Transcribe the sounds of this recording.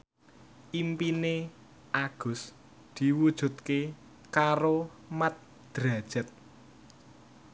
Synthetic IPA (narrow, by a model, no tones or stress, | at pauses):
ʔimpine | aɡ̥ʊ̤s | d̪̥i̤wud̥ʒ̥ṳt̪̚ke | kaɾo | mat̪̚ | d̪̥ɾad̥ʒ̥ə̤t̪̚